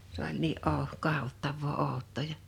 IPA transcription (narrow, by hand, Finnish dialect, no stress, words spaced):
s olʲ niː ʔoˑ kɑhotːɑʋːoː oˑu̞tˑoˑ jɑ